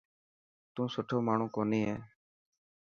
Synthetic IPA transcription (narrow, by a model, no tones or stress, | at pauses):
t̪ũːsʊʈʰoːmaːɳ̤ũːkoːniːɦḛː